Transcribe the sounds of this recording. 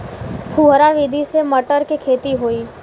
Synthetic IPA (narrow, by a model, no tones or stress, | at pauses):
pʰuːɦɾaʋiːd̪ʱiseməʈəɾkekʰeːt̪iɦoːiː